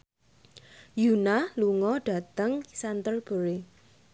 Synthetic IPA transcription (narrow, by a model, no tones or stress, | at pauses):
junaluŋɔɖ̥a̤t̪əŋsant̪ərb̥ə̤ɾe